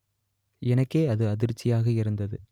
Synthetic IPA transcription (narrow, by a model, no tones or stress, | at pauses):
ɛnɐkːeːɐðɯɐðɪɾt͡ʃːɪjaːɣɐɪɾɯnd̪ɐðɯ